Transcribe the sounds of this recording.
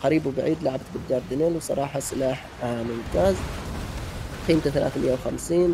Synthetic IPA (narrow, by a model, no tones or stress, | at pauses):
qaɾiːbwbaʕiːd̪laʕabt̪bɪd̪ːɑːɾˤd̪ɪneːlwsˤɑ̰ɾˤɑːħɑsɪlaːħ | mʊmt̪aːz | qiːmt̪aθala̰ːθmɪjːawxa̰msiːn